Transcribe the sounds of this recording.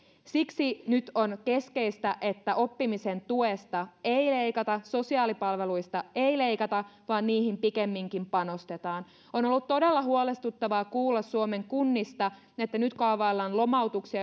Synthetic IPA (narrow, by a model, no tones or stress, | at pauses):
siksinyt̪o̞nke̞ske̞ist̪æʔet̪ːæʔo̞pːimisent̪uest̪ɑeile̞ikɑt̪ɑso̞siɑːlipɑlʋe̞lujst̪ɑeile̞jkɑt̪ɑʋɑːnniːhimpikemːiŋkimpɑno̞st̪e̞t̪ɑːn | onolːut̪t̪ːo̞delːɑɦuolest̪ut̪ːɑʋɑːkuːlːɑsːuome̞ŋkunːist̪ɑ | et̪ːænyt̪kɑʋɑːlːɑːnlo̞mɑwt̪uksiɑ